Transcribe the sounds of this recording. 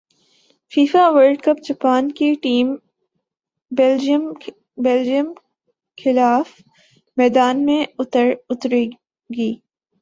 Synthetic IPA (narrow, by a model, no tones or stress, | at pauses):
fiːfaʋəɾɖkɐp̚d͡ʒɐpaːnkiʈiːm | m | bɛld͡ʒiəm | xʰɪlaːf | mɛːd̪aːnmẽʊt̪ɾʊt̪ɾe | ɡiː